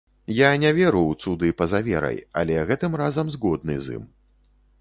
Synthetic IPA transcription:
janʲɛvʲɛɾuwt̪sud̪ɨpɐzavʲɛ̰ɾɐ̰ja̰lʲɛɣɛt̪ɨmrazɐmzɣɔd̪nɨ̰zḭm

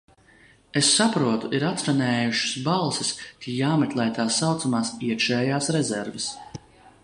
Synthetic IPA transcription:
esːapɾuɔt̪uʔiɾat̪sɾanʲɛːjuʃʊ̥sbalˠsɪst̪ʲʰijaːmɛt̪lˠɛjt̪aːsːawt̪samaːsiɛkʃɛːjaːsɾezɛɾvɪs

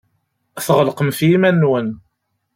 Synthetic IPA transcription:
θʁəlqəmθjimænːwən

